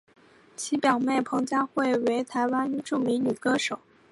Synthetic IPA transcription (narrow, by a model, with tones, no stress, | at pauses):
t͡ɕʰi˧˥pjɑ˨˩ʊme˥˩ɪpʰɤ˧˥ŋt͡ɕja˥xwe˥˩ɪwe˧˥ɪt̪ʰa˧˥ɪwa˥nʈ͡ʂu˥˩mi˧˥ŋny˨˩ə˦kɤ˥ʂo˨˩˦ʊ